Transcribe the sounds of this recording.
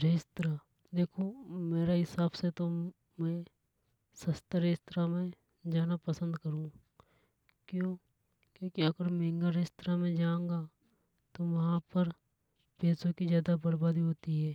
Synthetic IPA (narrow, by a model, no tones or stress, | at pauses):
ɾeːst̪ɾa | d̪eːkʰomeːɾaɦɪsaːbset̪o | mɛ̃ | sɐst̪əɾeːst̪ɾamẽ | d͡ʒaːnapəsə̃nd̪kəɾũː | kjõː | kjõːkiɐɡəɾmẽːŋɡaɾeːst̪ɾamẽd͡ʒaːõɡa | t̪oʋɐɦãpəɾ | peːsõkizjaːd̪abəɾbaːd̪iɦoːt̪iɦɛː